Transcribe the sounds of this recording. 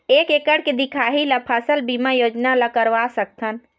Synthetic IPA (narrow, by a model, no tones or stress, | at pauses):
eːkekəɽked̪ɪkʰaːɦilapʰəsəlbimajoːd͡ʒnalakəɾʋasək̚t̪ʰən